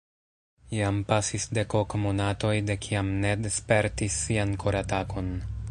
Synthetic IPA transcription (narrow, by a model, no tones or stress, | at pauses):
iampasisde̞kokmo̞nato̞jde̞kʰiamne̞despe̞ɾtisːiankʰoɾatakʰo̞n